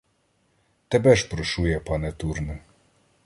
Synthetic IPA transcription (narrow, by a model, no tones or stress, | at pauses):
t̪ɛbɛʃpɾɔʃujɛpɑnɛt̪urnɛ